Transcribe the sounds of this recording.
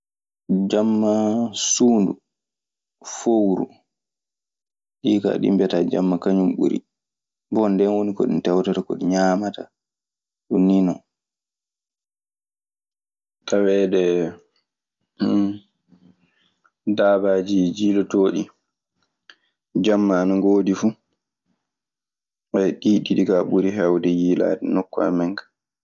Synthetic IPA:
d͡ʒamːasuːndu | fowɾu | ɗika̰ɗḭmbɛtad͡ʒa̰mːakaɲumɓṵɾḭ | bɔndɛnwonikɔɗḭntɛwtɔtakɔ̰ɗiɲaːmata̰ | ɗunːinɔ | tawɛdɛ | daːbaːd͡ʒid͡ʒiːlɔtoːɗi | d͡ʒamːanɔŋɡoːdifu | ʔajɗiːɗiɗiɡaɓuɾiɦɛwdɛjiːla̰ːdɛnɔkːa̰mɛŋkḁ

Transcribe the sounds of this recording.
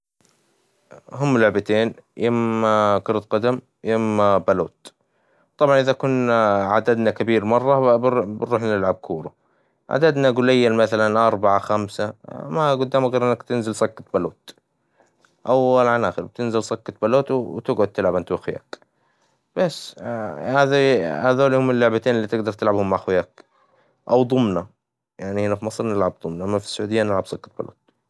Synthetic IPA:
ɦʊmːlʊʕbat̪eːnjɪmkʊɾt̪qɑd̪am | jɪmːbaluːt̪ | t̪ˤɑbʕɑnʔɪðakʊnʕad̪ad̪nakabiːɾmɑrˤːɑbbɾuːħnɪlʕab̚kʰuːɾu | ʕa̰d̪ad̪naɡʊlɪjːalmaθalanʔɑɾˤbaʕaxamsamaɡʊd̪ːaːmaɣeːɾʔɪnːakt̪ɪnzɪlsˤɑkːɑt̪̚baluːt̪ | ʔawalʕanʔaːxɪɾbɪt̪ɪnzɪlsˤɑkːɑt̪̚ˤbaloːt̪wwt̪ɪɡʕʊd̪̚t̪ɪlʕabɪnt̪waxja̰ːk | b̥asːhaːðihaðoːlihʊmɪlːʊʕbat̪eːnɪlːiːt̪ɪɡd̪ɑɾˤt̪ɪlʕabhʊmːaʕxwjaːk | ʔawd̪ˤʊmna | jaʕnihɪnafimɑsˤɾnɪlʕab̚d̪ˤʊmnaʔamːafi̥sːʊʕuːd̪ɪjːanɪlʕabsˤɑkːɑt̪̚ba̰lṵːt̪

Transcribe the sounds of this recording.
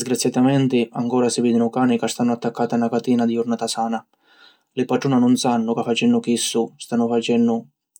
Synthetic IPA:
zɡɾat̪sːjat̪amɛnt̪ɪaŋkɔːɾasɪviːd̪ɪnʊkaːnɪkast̪anːʊat̪ːakːaːt̪anːakat̪iːnad̪iʊrnat̪asaːna | lɪpaʈɾuːnanʊnsanːʊkafːat͡ʃɛnːʊkisːʊst̪anːʊfat͡ʃɛnːʊ

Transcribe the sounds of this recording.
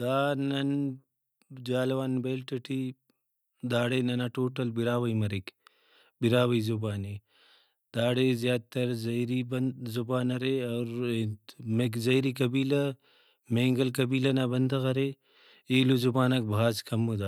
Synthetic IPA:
d̪aːnɐn | d͡ʒaːlwaːnbeːlʈɐʈʰi | d̪aːɽenɐnaʈoːʈɐlbiɾaːʋɐimɐɾik | biɾaːwɐizubaːni | d̪̥aːɽezjaːd̪̚t̪ːɐɾzɐjɾibɐzubaːnɐɾeɐːɾ | mekzɐjɾikɐbiːlɐ | mẽːŋɡɐlkɐbiːlɐnabɐnd̪ɐɣɐɾe | eːluzubaːnɐk̚bʱaːzkɐmːud̪aː

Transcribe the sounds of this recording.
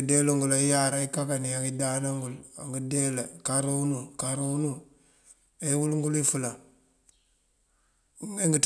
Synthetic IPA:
deloŋɡulaijaɾaikakaniaŋidanaŋɡula̰ŋɡidelakaɾawunukaɾawunu | aiwulŋɡulifula | eŋɡit

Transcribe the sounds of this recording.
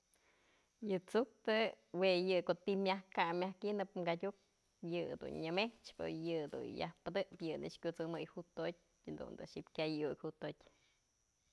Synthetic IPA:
jɨt͡suk̚t̪ɨ | wejɨkoʔt̪imʲjahkamʲjahkinɨpmɡadʲuk̚ | jɨd̪ṵnɲɨmeht͡ʃpo̰jɨd̪ṵnja̰hpɨd̪ɨʔpjɨnɨ̰ʔʂkʲut͡sɨmɨjhut̪ot̚ʲ | d̪ṵnd̪ɨ̰ʃipkʲajukhut̪otʲ

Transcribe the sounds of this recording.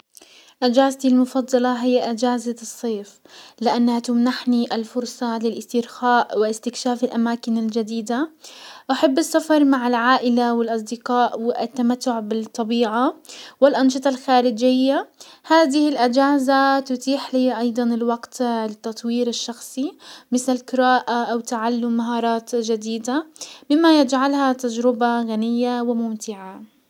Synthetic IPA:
ʔad͡ʒaːzt̪ilmʊfɑd̪ˤːɑlɑɦɪjːaʔɪd͡ʒaːzasˤːeːf | lɪʔanːhat̪ʊmnaħniʔɪlfʊɾsˤɑlɪlʔɪst̪ɪɾxaːʔwɪɪst̪ɪkʃaːfɪlʔamaːkɪnɪld͡ʒad̪iːd̪aʔaħabːɪsːafɑɾˤmaʕɪlʕaːʔɪlawɪlʔɑsˤd̪ɪqaːʔwɪ̰t̪ːamat̪ːʊʕbɪt̪ˤːɑbiːʕawɪlʔɑnʃɨt̪ˤɑlxaːɾɪd͡ʒɪjːahaːd̪ɪhɪlʔad͡ʒaːzat̪ʊt̪iːħliːʔɑjd̪ˤɑnɪlwɑɡt̪lɪt̪ːɑt̪ˤwiːɾɪʃːɑxsˤimɪθlɪlqɪɾaːʔaʔawt̪ːaʕalːʊmːaɦɑːɾˤɑːt̪d͡ʒad̪iːd̪amɪmːajɪd͡ʒʕalhat̪ad͡ʒɾɪbaɣanɪjːawɪmʊmt̪ɪʕa

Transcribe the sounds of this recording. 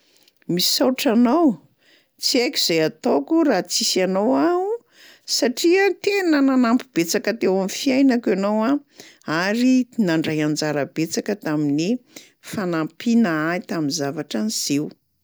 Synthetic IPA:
mi̥sawʈ͡ʂanow | t͡siajkʲuz̥ejat̪okurat͡sisanowau | saʈ͡ʂiət̪enənanampib̥et͡sakət̪ewamifiajnakanowãaɾinaɳɖ͡ʐajand͡zaɾəb̥et͡sakət̪amini | fanampinaait̪aminzavaʈ͡ʂaniz̥ew

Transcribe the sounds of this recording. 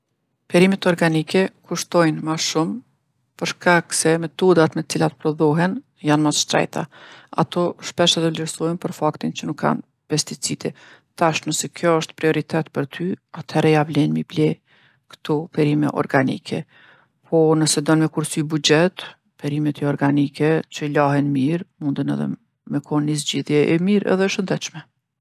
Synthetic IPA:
pɛɾimɛt̪ɔɾɡanikɛkuʃt̪ɔjnmaʃum | pəɾʃkaksɛmɛt̪ɔd̪at̪mɛt͡silat̪pɾɔðɔɦɛn | janmasʃt̪ɾɛ̰jt̪a̰a̰t̪ɔʃpɛʃɛðɛvlɛɾsɔjnpəɾfakt̪int͡ʃənukʰːa̰n | pɛst̪it͡sid̪ɛ | t̪aʃnəsɛkjɔəʃt̪pɾiɔɾit̪ɛt̪pəɾt̪ʰyat̪ʰɛɾɛjavlɛnmiblɛ | kə̥t̪ɔpɛɾimɛ̰ʔɔ̰ɾɡanikʰɛ̰ | pʰɔnəsɛd̪ɔnmɛkuɾsybud͡ʒɛt̪ | pɛɾimɛt̪iɔɾɡanikɛt͡ɕəlaɦɛnmiɾmund̪ənɛ̰ðɛ̰ | mɛkʰɔnːizd͡ʑiðjɛʔɛ̰miɾɛ̰ðɛʃənd̪ɛt̪ʃmɛ

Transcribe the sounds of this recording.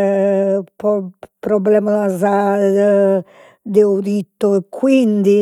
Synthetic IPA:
pɔpɾɔblɛːmaaza | d̪euɾit̪ːoekʰːwind̪i

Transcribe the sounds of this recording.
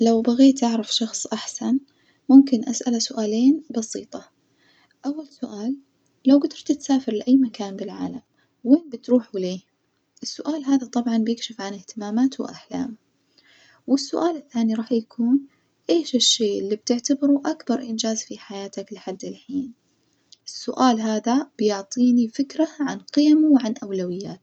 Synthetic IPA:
lawbaɣeːt̪ʔaʕɾˤɪfʃɑxsˤʔaħsan | mʊmkɪnʔasʔalasʊʔaːleːnbɑsiːt̪ˤɑ | ʔawːalsʊʔaːlː | awɡad̪ɑɾˤt̪t̪saːfɪɾlɪʔajːmakaːnbɪlʕa̰ːlam | wːeːnbɪt̪ɾuːħuleː | ʔɪsːʊʔaːlɦaːðat̪ˤɑbʕɑnbjɪkʃɪfʕanɪht̪ɪmaːmaːt̪wɪ̰ʔaħla̰ːm | wɪsːʊʔaːlɪθːaːniɾˤɑːħjakʰuːn | ʔeːʃɪʃːeːʔɪlːib̚t̪ɪʕt̪abɪɾuʔakbɑɾˤʔɪnd͡ʒaːzfiħajaːt̪aklɪħad̪ːɪlħiːn | ʔɪsːʊʔaːlɦaːðab̥jʊʕt̪ˤiːnifɪkɾaʕanqɪjamuwʕanʔawlawɪjːaːt̪

